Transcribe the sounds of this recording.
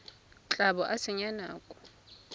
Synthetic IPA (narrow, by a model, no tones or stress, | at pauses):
t͡ɬʼabɔʔasɪɲana̰ːkʼʊ̥